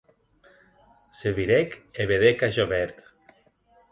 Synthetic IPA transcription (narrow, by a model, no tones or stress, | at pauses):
seβiɾekeβeðekaʒoβɛɾt̪